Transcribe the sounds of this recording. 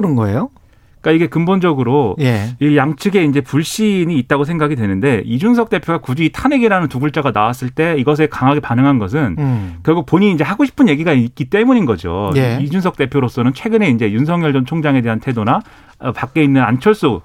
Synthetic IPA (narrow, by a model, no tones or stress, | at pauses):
ɯɾɯnɡʌḛjo | k͈aiɡe̞kɯmbond͡ʑʌɡɯɾojeijaŋt͡ɕʰɯɡe̞ind͡ʑe̞puɭɕ͈iɲiːt̚t͈aɡosʰeŋɡaɡidwe̞nɯnde̞id͡ʑuns̬ʰʌk̚t͈e̞pʰjoɡakud͡ʑiitʰaneɡiɾanɯntuɡuɭt͡ɕ͈aɡanawas͈ɯɭt͈e̞iɡʌs̬ʰekaŋɦaɡe̞panɯŋɦanɡʌs̬ʰɯnkjʌɭɡuk̚poɲiːnd͡ʑe̞haɡoɕʰi̥pʰɯnje̞ɡiɡaik͈it͈e̞muɲinɡʌd͡ʑo̰jid͡ʑunsʰʌk̚t͈e̞pʰjoɾos͈ʌnɯnt͡ɕʰwe̞ɡɯne̞ind͡ʑe̞junsʰʌŋɲjʌɭd͡ʑʌnt͡ɕʰoŋd͡ʑaŋe̞de̞ɦantʰe̞dona | pak͈e̞inːɯnant͡ɕʰʌɭs͈o